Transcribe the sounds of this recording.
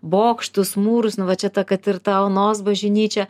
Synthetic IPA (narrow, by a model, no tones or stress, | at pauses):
boːkʃt̪ʊsmuːɾʊsnʊʋɐt͡ʃʲɛt̪ɐkɐt̪ɪrt̪ɐɐʊnoːs̬bɐʒʲɪnʲiːt͡ʃʲɛ